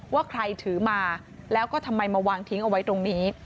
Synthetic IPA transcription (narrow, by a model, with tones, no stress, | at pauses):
waː˥˩kʰɾa˧jt̪ʰɯː˩˦maː˧ | lɛː˦˥wkɔː˥˩t̪ʰa˧mːa˧jmaː˧waː˧ŋt̪ʰi˦˥ŋʔa˧wa˦˥jt̪ɾo˧ŋniː˦˥